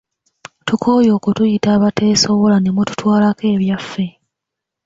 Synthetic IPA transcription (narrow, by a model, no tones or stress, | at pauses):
tukʰo̞ːjo̞ːkutujitaːβate̞ːsoβo̞lane̞mutu̥twaːlake̞ːβjafːe̞